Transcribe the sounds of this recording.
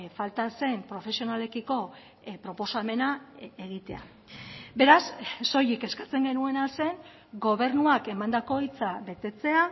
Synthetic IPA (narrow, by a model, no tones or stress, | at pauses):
falt̪ase̞mpɾo̞fe̞sio̞nale̞kiko̞ | pɾo̞po̞same̞naeɣ̞it̪e̞a̰ | be̞ɾasːo̞jike̞skḁt͡se̞ŋɡe̞nue̞nalse̞ŋ | ɡo̞β̞e̞ɾnuake̞mand̪ako̞it͡saβe̞t̪e̞t͡se̞a